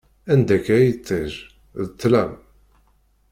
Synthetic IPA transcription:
ænd̪ækːæjət͡sːəʒ | ðt̪ːlæm

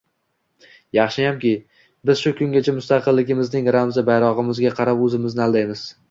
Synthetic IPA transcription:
jɑχʃɪjamkʲɪ | bɪz̥ʃʊkʰʊŋɡʲat͡ʃʰamʊst̪ɑqʰɨlːɪɡʲɪmɪznɪŋɾamzabajɾɒʁɨmɪzɡʲaqʰɑɾapɵzɪmɪznɪald̪ajmɪz̥

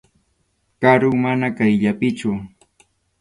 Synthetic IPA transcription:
kaɾʊmanakajʎapɪt͡ʃʊ

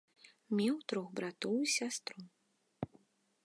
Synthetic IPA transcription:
mʲɛwt̪ɾɔxbɾat̪ɔwisʲast̪ɾu

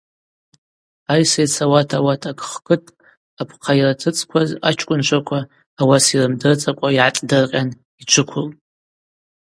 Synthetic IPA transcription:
ajsejt͡sʰawatʰawatʰakʼχkʰʼɨtʼʰ | apʰqʰajiratʰɨt͡sʼkʷʰazat͡ʃʰkʷʼʊnt͡ʃʷʰakʷʰaː | wasirɨmdɨrt͡sʼakʷʼaiʕatʼdɨrqʲʼan | it͡ʃʷʰɨkʷʰʊl

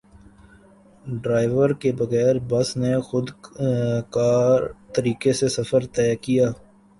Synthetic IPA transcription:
ɖɾaːɪʋəɾkebɐɣɛːɾbɐsnexʊd̪ | kaːɾt̪əɾiːkesesɐfəɾt̪ɛːkijaː

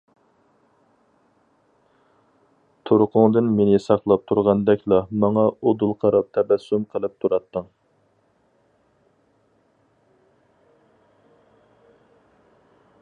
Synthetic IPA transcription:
t̪ʰoɾʊqʰʊŋd̪ɨnmenɪsɑqlˠɑp̚t̪ʰuɾʁɑnd̪ɛkʲlˠɑmɑŋɑod̪ulˠqʰɑɾɑp̚t̪ʰɛbɛsːumqʰəlˠɨp̚t̪ʰuɾɑt̪ːəŋ

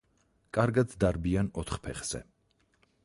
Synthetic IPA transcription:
kʼaɾɡad̪d̪aɾbianɔt̪ʰχpʰɛχz̥ɛ̰

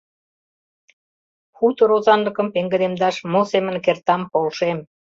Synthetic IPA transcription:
xut̪oɾozɑnlə̆kə̆mpeŋɡə̆d̪emd̪ɑʃmosemə̆nkert̪ɑmpolʃem

